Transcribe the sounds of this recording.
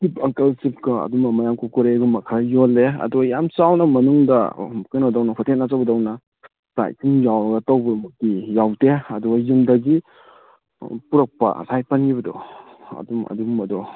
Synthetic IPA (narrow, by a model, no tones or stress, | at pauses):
sipɐŋkɐlsip̚kaɐ̰dumamajamkukuɾeɡumɐkʰɾajolːeɐ̰dɔɡjamt͡ʃawnɐmɐnuŋdɐ̰kɯjnadawnɐhʰɔtʰenːat͡ʃabɐdawnɐ | sa̰jkiŋjawɐɡɐtawbɐmɐtijawteɐdɔɡajumdɐɡi | puɾɐk̚pɐ̰sʰajpanɡiβɐdɔ̰ | ɐ̰dumɐ̰dumɐdɔ